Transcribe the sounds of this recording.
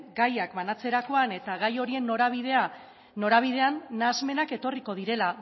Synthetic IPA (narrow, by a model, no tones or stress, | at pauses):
ɡajakbanat͡se̞ɾako̞ane̞t̪aɣajo̞ɾie̞nːoɾaβiðea | no̞ɾaβ̞iðe̞anːazme̞nake̞t̪o̞riko̞ð̞iɾe̞la